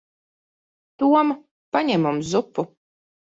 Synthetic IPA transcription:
t̪uɔm | paɲɛmumzupːu

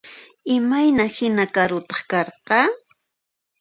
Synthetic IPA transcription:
ɪmajnahɪnakaɾʊt̪ɑ̥χkɑɾqɑ

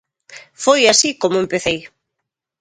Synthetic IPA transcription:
fojasikomoʊempeθej

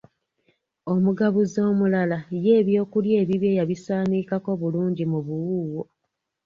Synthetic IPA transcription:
o̞muɡaβuzo̞ːmulalaje̞ːβjo̞ːkulje̞ːβiβje̞jaβisaːniːkako̞βuluːɲɟimuβuwuːwo

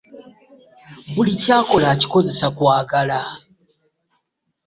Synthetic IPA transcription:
bulicaːko̞laci̥ko̞ze̞sakwaːɡala

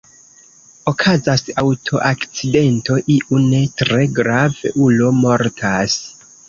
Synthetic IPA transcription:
o̞kʰazasawtʰo̞ʔakt͡side̞nto̞ʔiʔune̞tɾe̞ɡɾavḛʔulo̞mo̞ɾtʰas

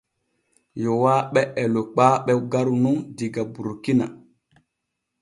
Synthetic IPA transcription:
jowaɓɛʔɛlok͡paɓɛɡaɾunuŋdiɡabuɾkina

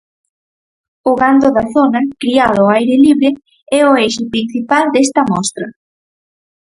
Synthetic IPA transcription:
ʊɣand̪oðɐθonɐkɾiaðʊajɾɪliβɾɪ | ɛʊeʃɪpɾin̟θipald̪est̪ɐmɔst̪ɾɐ

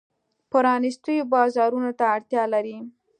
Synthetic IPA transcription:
pəɾɑnist̪əjobɑzɑɾunot̪aːɽt̪jɑlaɾi

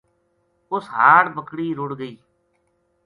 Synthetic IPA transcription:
ʊsɦaːʈbəkɽiːɾʊɽɡəiː

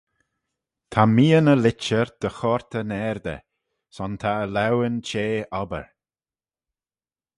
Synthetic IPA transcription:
t̪ʰamiːənəlɪt͡ʃəɹd̪̥əxɔɹt̪ʰənɛːɹd̪ə̰ | sɔnt̪ʰaəlawənt͡ʃeːɔbə̰ɹ

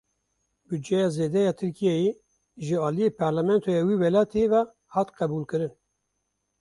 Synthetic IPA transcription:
byd͡ʒɛjɑːzeːd̪ɛjɑːt̪ʰɨɾkijɛje | ʒɨɑːlijeːpʰɑɾlamɛnt̪ʰojɑwiːwɛlɑːt̪evɛ | hɑːt̪qɛbulkɨɾɨn

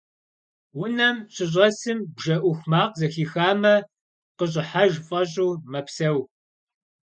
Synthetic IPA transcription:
wʊnɐmɕʰɪɕ̬ʼɐsɨmbʒɐʔʷʊxʷmaːqzɐxiːxaːmɐ | qəɕ̬ʼɪħaʒfʼɐɕ̬ʼuːmɐpsɐw

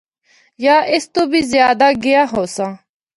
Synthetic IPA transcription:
jaːʔɪst̪oːbiːzɪjaːd̪aːɡɪjaːɦoːsãː

